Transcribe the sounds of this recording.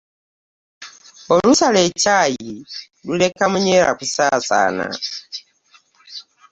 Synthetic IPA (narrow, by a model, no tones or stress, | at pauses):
ɔlusalɛt͡ʃaji | lulɛkamuɲɛɾa̰kusasa̰ːna̰